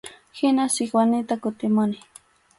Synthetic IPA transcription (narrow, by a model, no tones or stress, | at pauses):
hɪnasɪkwanɪt̪akʊt̪ɪmʊnɪ